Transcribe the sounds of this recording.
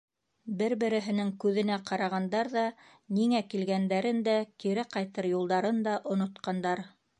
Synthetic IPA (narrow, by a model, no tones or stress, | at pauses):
bɘɾbɘ̆ɾɘ̆ɦɘ̆nɘŋkʉðɘ̆næqɑɾɑʁɑnd̪ɑɾðɑ | niŋækilɡænd̪æɾɘnd̪ækiɾɘqɑjt̪ɤɾjulˠd̪ɑɾɤnd̪ɑʔŏnŏt̪qɑnd̪ɑɾ